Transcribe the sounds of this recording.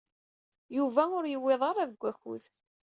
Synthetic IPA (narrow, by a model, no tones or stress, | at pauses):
juvæʊɾjəwːeðˤʁaɾˤaðəɡʷːæçṵð